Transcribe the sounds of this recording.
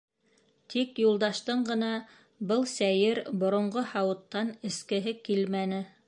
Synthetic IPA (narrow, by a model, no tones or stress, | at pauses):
t̪ʰikjulˠd̪ɑʃt̪ɤɴɢɤ̆nɑ | bɤlˠsæjɘɾbŏɾŏɴɢohɑwɤ̆t̪ːɑnɘ̆skɘ̆ɦɘkilmænɘ